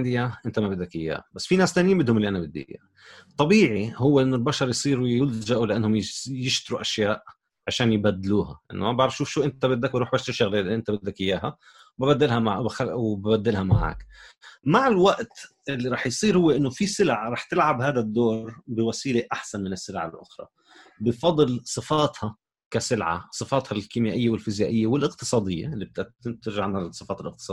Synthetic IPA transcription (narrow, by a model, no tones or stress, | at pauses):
d̪ɪjːaʔɪnt̪amabɪd̪ːakʔɪ̰jːa̰ːbasːfinaːst̪aːnjːmbɪd̪hʊmlːiʔanabɪd̪ːɪ̰ja̰ː | t̪ˤːɑbiːʕihʊwːeʔɪnːʊlbaʃɑɾˤjsˤiːɾuwɪlʒaʔulɪʔanːhʊmjɪʃt̪ɪɾuʔaʃjaːʔ | ʕaʃaːnjbad̪ːluːha̰ʔɪ̰nːʊmabaʕɾɑfʃuːfʃuːʔɪnt̪abɪd̪ːakbɾuːħbaʃt̪ɪʃaɣlʔɪnt̪abɪd̪ːakʔɪjːaːɦa | wbabad̪ːɪlhamaʕxawbabad̪ːɪlhamaʕa̰ːkmaʕɪlwaʔt̪ | ʔɪlːiɾˤɑːħjsˤiːɾhʊwːeʔɪnːofisɪlʕaɾˤɑːħt̪ɪlʕabhaːd̪ad̪ːoːɾbɪwasiːleʔaħsanmɪnɪsːɪlʕa̰lʔʊ̰xɾˤɑ̰ | bɪfɑd̪ˤɨlsˤɨfɑːt̪hɑ | kasɪlʕa̰sˤɨfɑːt̪hɑlkimjaːʔɪjːewɪlfɪzjaːʔɪjːawɪlʔɪqt̪ɨ̥sˤɑːd̪ˤɪjːḛɪlːib̚t̪at̪ɪnt̪ɪɾʒʕanhalsˤɨfɑːt̪ɪlʔɪq̚t̪sˤɑ